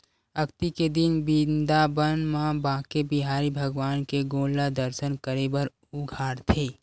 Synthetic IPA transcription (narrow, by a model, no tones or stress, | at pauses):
ɐkt̪iked̪ɪnbĩːnd̪abənmãbãːkebiɦaːɾibʱəɡwaːnkeɡõːlad̪əɾʃənkəɾebəɾ | uɡʱaːɾt̪ʰeː